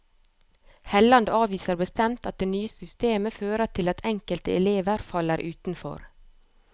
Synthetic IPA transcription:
hɛlɑnd̪ɑːʋiːsəɾbəst̪ɛmt̪ɑt̪̚d̪eːnyːəsʏst̪eːməføːɾəʈʰɪlɑt̪ʰɛŋkəlt̪əɛleːʋəɾfɑləɾʔʉːt̪n̩fɔ̰ɾ

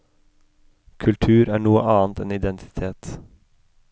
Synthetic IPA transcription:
kʰʉlt̪ʰʉːɾæːɳuːə̰ʔɑːnt̪ɛnɪd̪ɛnt̪ʰɪ̥t̪ʰeːt̪

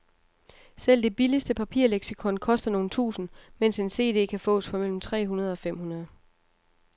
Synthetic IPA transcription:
sel̰d̥e̝b̥iləsd̥əpʰæpʰḭɐ̰leɡ̥sikʰɔ̽nkʰɒ̽sd̥ɐno̝ːn̩t͡sʰṵːsn̩men̰se̝nse̝̰ːd̥e̝̰ːkʰæfɔ̰̽ːsfɒ̽mel̰m̩t͡sʰʁɛ̰ːɦunɐð̞ˠɒ̽fem̰hunɐð̞ˠ

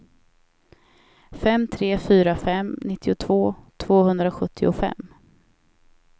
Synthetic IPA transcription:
fɛmːt̪ʰɾeːfyːɾafɛmnɪt̪ʰːɪʊt̪ʰv̥oːt̪ʰv̥oːhɵnd̪ɾaɧɵt̪ʰːɪʊfɛ̰mː

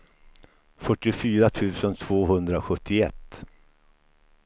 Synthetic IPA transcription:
fœʈːɪfyːɾat̪ʰʉ̟ːsənt̪ʰv̥oːɦɵnd̪ɾaɔɧɵt̪ʰːɪɛt̪ː

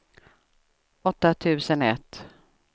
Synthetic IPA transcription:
ɔt̪ːat̪ʰʉ̟ːsənɛ̰t̪ː

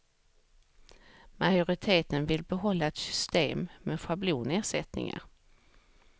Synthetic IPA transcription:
mʔajʊɾɪt̪ʰeːt̪ənvɪlbɛɦɔlːaɛt̪sʏ̥st̪eːmmɛɧabluːneːʂɛt̪nɪ̰ŋa̰ɾ

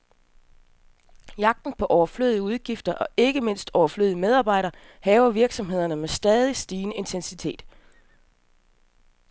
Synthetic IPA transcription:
jɑ̈ɡ̥̚d̥n̩pʰɒ̽ʔɒʊɐflø̰ːð̞ˠiəuð̞ˠɡ̥ifd̥ɐʔɒ̽ʔe̝ɡ̥əme̝n̰sd̥ɒʊɐflø̰ðˠimeð̞ˠɑ̈ːb̥ɑ̈ɪ̰ɾɐː | hɛːʊɐʋiɐɡ̥sɒ̽mhe̝ð̞̰ˠɐnəmesd̥ɛːð̞ˠisd̥iːnəe̝nt͡sʰensit͡sʰe̝̰ːd̥

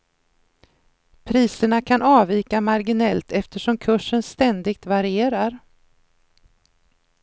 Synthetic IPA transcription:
pʰɾiːsəɳakʰanɑːviːkamaɾɡɪnɛlt̪ʰɛft̪əʂɔmkʰɵʂːənst̪ɛnd̪ɪɡ̚t̪vaɾɪeːɾaɾ

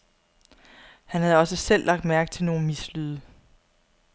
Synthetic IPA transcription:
hænhæðˠɒ̽səsel̰lʔɑ̈ɡ̥d̥mæɐɡ̥̚t͡sʰe̝lno̝ːn̩mislyðˠə

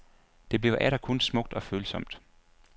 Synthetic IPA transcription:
d̥e̝b̥le̝ʊʔæɾ̥ɐkʰɔnsmɔ̽ɡ̥̚d̥ɒ̽føːlsɒ̽m̰d̥

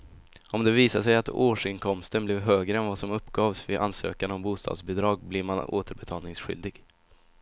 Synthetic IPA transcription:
ʔɔmd̪ɛviːsaʂɛjat̪oːʂɪnkʰɔmst̪ənblɛvɦøːɡɾəɛnvɑsɔmɵpːɡɑːvsvɪʔa̰nsø̰ːkanɔmbuːst̪ɑ̰ːd̪sbɪd̪ɾɑːɡ̚blɪɾmano̰ːt̪əɾbɛt̪ʰɑːlnɪŋsɧʏ̰ld̪ɪɡ

